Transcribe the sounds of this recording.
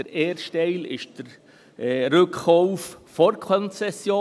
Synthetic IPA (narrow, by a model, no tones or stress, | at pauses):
əɾeːɾʃtɛɪlɪ̰ʃd̥əɾ | ɾʏkːowffɔɾkʰɔnt͡sɛsjoː